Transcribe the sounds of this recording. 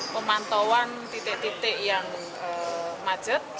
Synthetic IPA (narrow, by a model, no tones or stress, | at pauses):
pəmant̪owant̪it̪ɪʔt̪it̪ɪʔjaŋ | əmad̥ʒ̥ət̪̚